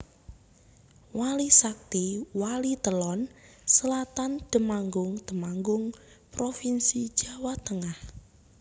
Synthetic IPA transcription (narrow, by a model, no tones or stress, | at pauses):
walisak̚t̪iwalit̪əlɔnsəlat̪and̪̥ə̤maŋɡʊŋd̪̥əmaŋɡʊŋpɾofinsid̥d͡ʒ̥a̤wat̪əŋah